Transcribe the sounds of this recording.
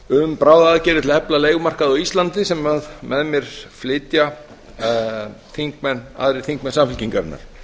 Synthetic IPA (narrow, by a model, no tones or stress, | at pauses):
ʏmpɾaːwðaːðcɛːɾɪt̪ɪlhɛplaleːjɣmar̥kaðɪɔist̪lant̪ɪsɛmaðmɛðmjɛɾ̥flɪːt̪ja | θiŋkmɛnːa̰ðɾɪ̥θiŋkmɛnsamfɪlciŋkaɾnːa̰ɾ̥